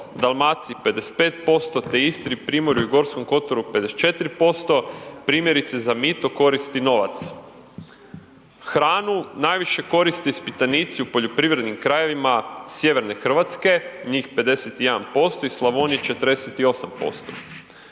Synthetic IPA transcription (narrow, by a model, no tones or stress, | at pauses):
d̪alˠmat̪sipe̞d̪ese̥t̪pe̞ːt̪̚po̞st̪o̞t̪eist̪ɾipɾiːmo̞ɾjuiɡo̞ɾsko̞mko̞t̪o̞ɾupe̞d̪est͡ʃe̞t̪ɾipo̞st̪o̞pɾiːmjeɾit̪sezamit̪oko̞ɾist̪ino̞ʋa̰t̪s | xɾaːnunaːjʋiʃe̞ko̞ɾist̪ispit̪anit̪siupo̞ʎo̞pɾiʋɾe̞d̪nimkɾaje̞ʋimasje̞ʋe̞ɾne̞xr̩ʋat̪ske̞ɲiːxpe̞d̪e̞set̪ije̞d̪anpo̞st̪o̞islˠaʋonit͡ʃe̞t̪ɾd̪eset̪io̞sampo̞̰st̪o̞̰